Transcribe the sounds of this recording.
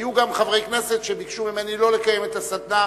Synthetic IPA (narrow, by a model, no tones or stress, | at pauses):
juɡamχavʁejkne̞se̞t̪ʃebikʃumimenilo̞lekaje̞met̪asad̪na